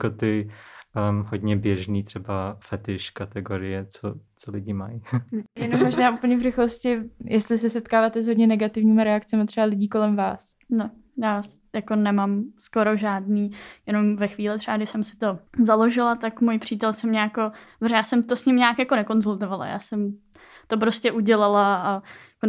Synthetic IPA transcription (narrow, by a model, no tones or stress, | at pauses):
kot̪ɪ | ɦod̪ɲɛbjɛʒniːt̪r̥ɛbafɛt̪ɪʃkat̪ɛɡoɾɪjɛt͡sot͡solɪɟɪmajjɛnomːoʒnaːʔupl̩ɲɛvrɪxloscɪjʔɛst̪lɪsɪsɛt̪kaːvaːt̪ɛzɦodɲɛnɛɡat̪ɪvɲiːmaɾɛakt͡sɛmat̪r̝̥ɛbalɪɟiːko̞lɛmvaːs | no | jaːs | jako̞nɛmamsko̞ɾo̞ʒaːdniːjɛno̞mvɛxviːlɪt̪r̥ɛbaɡdɪʃsɛmsɪ̥t̪o̞zalo̞ʒɪlat̪akmujpr̝̥iːt̪ɛlsɛmɲɛjako̞brɛjaːsɛmt̪osɲɪmɲaːkjakonɛko̞nzult̪o̞vala̰ja̰ːsɛm | t̪op̬ɾoscɛʔuɟɛlalaajako